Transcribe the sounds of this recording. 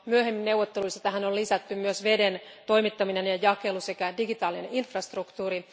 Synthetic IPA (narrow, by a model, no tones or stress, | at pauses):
myøhemːinneuwʋot̪ːeluisɑt̪æɦænollisæt̪ːymmyøsʋe̞dent̪o̞imit̪ːɑminenjɑjɑkelusekædiɡit̪ɑːlineinfrɑst̪rukt̪uːɾi